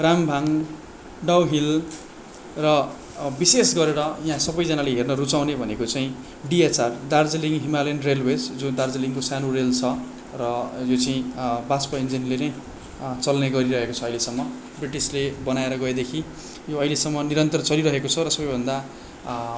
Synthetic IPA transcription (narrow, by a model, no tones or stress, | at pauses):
rambʱaŋ | ɖawɦil | rʌ | bisesɡʌɾeɾʌjaɦãsʌbʌjd͡zanaleɦernʌɾut͡saw̃nebʱʌnekot͡saĩ | ɖiet͡sard̪ard͡zeliŋɦimalenrelwed͡zd͡zũd̪ard͡zeliŋkosanurelt͡sʰʌ | rʌjot͡sʌĩbaspʌind͡zinlenʌj | t͡sʌlneɡʌɾiɾʌɦekot͡sʰʌɦilesʌmːʌ | briʈislebʌnaeɾʌɡʌjd̪ekʰi | joʌɦilesʌmːʌniɾʌnt̪ʌrt͡sʌliɾʌɦekot͡sʰʌɾʌsʌbʌjbʱʌnd̪a